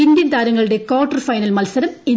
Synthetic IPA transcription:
ind̪jɐnt̪aːɾɐŋːɐɭɨɽe̞koːʈːɐrfɐjnɐlmɐlsɐɾɐmi

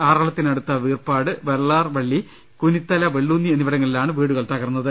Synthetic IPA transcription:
aːrɐɭɐt̪ːinɐɽut̪ːɐʋiːrpaːɽɨʋeɾɭaːrʋɐɭːi | kunit̪ːɐlɐʋeɭːunːienːiʋɐɽɐŋːɐɭilaːɳɨʋiːɽuɣɐɭt̪ɐɣɐrunːɐðɨ

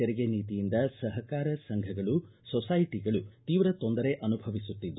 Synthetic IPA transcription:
ɛɾɛɡeniːt̪ijind̪ɐsɐɦɐkaːɾɐsɐŋɡʱɐɡɐɭusɔsajʈiɡɐɭut̪iːʋɾɐt̪o̞nd̪ɐɾe̞ʔɐnubʱɐʋisut̪ːid̪ː

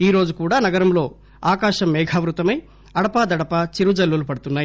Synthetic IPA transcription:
iːɾo̞ːd͡ʒukuːɽaːnɐɡɐɾɐmlo̞ː | aːkaːʃɐmːɛːɡʱaːʋɾut̪ɐmɐj | ɐɽɐpaːd̪ɐɽɐpɐt͡ʃiɾud͡ʒɐlːulupɐɽut̪unːaːji

